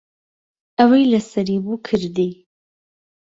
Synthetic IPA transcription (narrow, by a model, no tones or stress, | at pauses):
awajlasɐɾibukʰɨɾd̪i